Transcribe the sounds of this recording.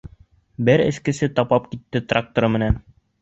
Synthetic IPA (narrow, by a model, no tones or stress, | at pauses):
bɘɾɘ̰̆skɘ̆sɘt̪ɑpɑp̚kit̪ːɘt̪rak̚t̪oɾɤmɘ̆næn